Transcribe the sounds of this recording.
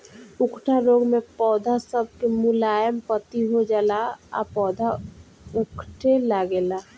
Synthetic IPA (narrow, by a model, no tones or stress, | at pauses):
ʊkʰʈʰaɾoːɡmẽpɔːd̪ʱasəb̚kemʊlaːjəmpət̪iɦod͡ʒaːlaa̰pɔːd̪ʱa | ʊkʰʈʰelaɡela